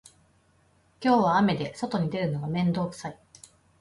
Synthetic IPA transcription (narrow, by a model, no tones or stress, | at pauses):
kʲo̞ːβaːme̞d̪e̞so̞t̪o̞ɲ̟id̪e̞ɾɯ̟no̞ɡamẽ̞nd̪o̞ːkɯ̟̥sai